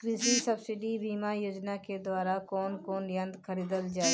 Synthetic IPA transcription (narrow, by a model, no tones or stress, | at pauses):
ɾɪsisɐbsɪɖibiːmajoːd͡ʒnaked̪waːɾakɔːnkɔːnjɐ̃nd̪kʰəɾiːd̪əld͡ʒaːe